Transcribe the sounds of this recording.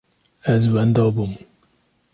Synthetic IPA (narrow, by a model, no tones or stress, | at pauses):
æzwɛnd̪ɑːbum